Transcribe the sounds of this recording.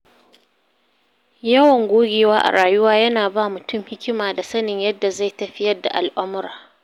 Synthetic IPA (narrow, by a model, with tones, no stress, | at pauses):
jɐ˦wɐ˨ŋɡʷoː˦ɡʲeː˨waː˦ʔa̰˨ɾaː˨jʊ˦waː˦jɐ˦naː˨baː˦˨mʊ˨tʊ˦˨mhɪ˦kʲɪ˦maː˨da˨sɐ˦nɪ˨ɲjɐ˦dːa˨za˦˨jtɐ˨ɸɪ˦jɐ˦rda̰˨ʔa˨lʔʊ˦mʊ˦ɾaː˨